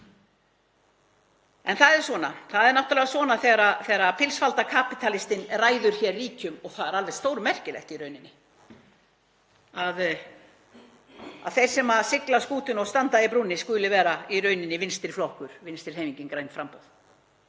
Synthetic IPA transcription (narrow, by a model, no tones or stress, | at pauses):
ɛnθaðɛɾ̥svɔːnaθaðɛɾnaht̪alɛɣasvɔːnaθɛɣɾaθɛːɣɾapʰɪlsfalt̪akʰaːpit̪ʰalɪst̪ɪnraːjðʏɾ̥çɛɾːiːcʏmɔɣθaðɛɾalvɛð̥st̪oːwɾʏmɛr̥cɪlɛ̰ht̪iɾœɥnɪnːɪ | að | a̰ðθejɾ̥sɛmaðsɪklaskuːt̪ʏnɔɣst̪ant̪aðɪpɾunːɪskʏːlɪvɛːɾairœːɥnɪnːɪvɪnst̪ɪɾ̥flɔhkʏɾ̥vɪnst̪ɪɾ̥hejmiɲcɪnkɾajnfɾampowð